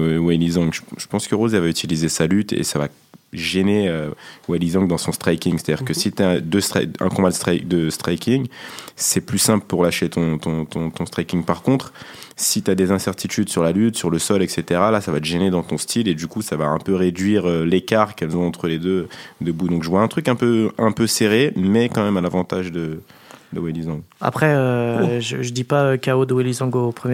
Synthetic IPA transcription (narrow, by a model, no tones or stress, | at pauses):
wɛjlizɑ̃ŋɡʒəʒ̥ə̥pɑ̃skəʁozevayt̪ʰilizesalyt̪ḛsava | ʒeneøwɛjlizɔ̃ŋkd̪ɑ̃sɔ̃st̪χajkʲiŋse̥t̪ad̪iʁkəsit̪yaɛd̪øst̪χa̰ɛ̰̃kɔ̃bad̪əst̪χak̚d̪əst̪χajkʲʰiŋsɛplysɛ̃pləpuʁlaʃet̪ɔ̃t̪ɔ̃t̪ɔ̃t̪ɔ̃st̪χajkʲiŋpaʁkɔ̃t̪χsit̪yad̪ezɛ̃sɛʁt̪it̪yd̪syʁlalyt̪syʁləsɔlɛkset̪eʁalasavat̪əʒened̪ɑ̃t̪ɔ̃st̪ʰiled̪ykusavaɛ̰̃pøʁed̪ɥiʁølekaʁkɛlzɔ̃ɑ̃t̪χəled̪ød̪əbud̪ɔ̃kʒəvwaɛ̃t̪χykɛ̃pøɛ̃pøseʁemɛkɑ̃mɛmɛ̃navɑ̃t̪aʒd̪ə | d̪əwelizɔ̃ɡa̰pχɛøʒəʒəd̪ipaøkaod̪əwelizɔ̃ɡopχəmj